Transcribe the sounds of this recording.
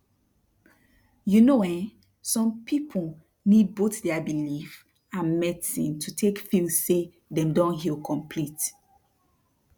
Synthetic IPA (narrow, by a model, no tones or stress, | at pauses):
junowɛ̃n | sɔ̃mpʰipʰu | nid̚botdɛabilif | ãnmɛtḭ̃ntʰutʰekfilse | dɛ̃mdɔ̃nɦilkʰɔ̃mpʰlit